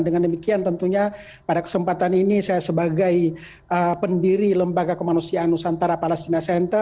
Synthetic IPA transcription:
ndəŋandəmikiant̪ənt̪uɲa | padakə̥səmpat̪aninisajasəbaɡaj | ʔəpəndiɾiləmbaɡakəmanusiaʔanusant̪aɾapalast̪inasɛnt̪ə

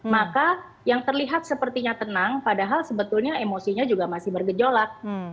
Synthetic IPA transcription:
maka | jaŋt̪ərliɦat̪̚səpərt̪iɲat̪ənaŋpadaɦalsəbət̪ʊlɲaemosiɲad͡ʒuɡamasɪhbərɡəd͡ʒolak̚

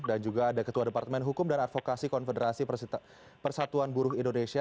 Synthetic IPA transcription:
dand͡ʒuɡaːdakət̪uadəpart̪əmɛnɦukʊmdanat̪̚fokasikɔnfədəɾasi | pərsat̪uanbuɾʊɦindonesia

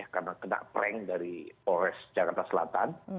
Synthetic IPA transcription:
ahkarnakəna̰ʔpəɾɛŋdaɾiɔɾɛsd͡ʒakart̪asəlat̪an

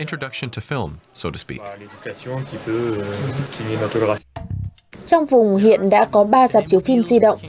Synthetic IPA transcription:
ɪ̃nt͡ʃɹ̥ɨdʌkʃɨ̃ntʰɨfɪlˠmsoʊɾɨspḭkled̪ykasjɔ̃kʲipø | sinemat̪ɔɡʁa | t͡ɕɔwŋ͡mvʊŋ͡mɦḭənɗa̰ːkɔɓaːzaːp̚t͡ɕiəwfimziɗə̰wŋ͡m

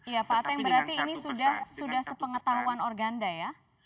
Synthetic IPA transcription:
japaat̪ajaŋbəɾart̪iːnisudahsudahsəpəŋət̪aɦuanɔrɡandaja

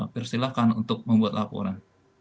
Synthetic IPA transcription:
pirsilakanunt̪ʊk̚məmbuat̪̚lapo̰ɾan

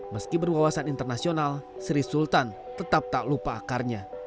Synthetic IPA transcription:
məskibərbawasanint̪ərnasionalsɾisult̪an | t̪ət̪ap̚t̪alupaːkarɲa

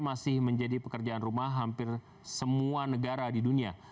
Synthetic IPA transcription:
masɪhməɲd͡ʒadipəkərd͡ʒaʔanrumahɦampɪr | səmuanəɡaɾadidunia

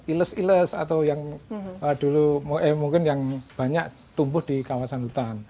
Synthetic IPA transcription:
iləsiləsa̰t̪awjaŋad̥ulumuʔɛmuŋkɪnjaŋb̥a̤ɲaʔ | t̪umbʊhd̥ikawasanut̪an

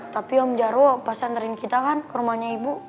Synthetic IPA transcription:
t̪apiɔmd͡ʒaɾɔpasant̪əɾinkit̪akankəɾumahɲaibu

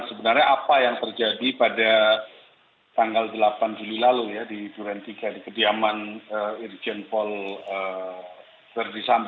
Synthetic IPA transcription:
səbənarɲaʔːpajaŋt̪ərd͡ʒadipada | t̪aŋɡaldəlapand͡ʒulilalujadit̪uɾɛnt̪iɡadikədiamanəird͡ʒənpɔlə | t̪ərdisamb

